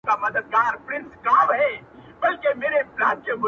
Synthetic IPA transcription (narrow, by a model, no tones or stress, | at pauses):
kamɐd̪əd̪̚ɡaːɾpɾɪ̃nsɡaːʋɦɛːbɐlkemeːɾepɾaːt̪̚kemʊ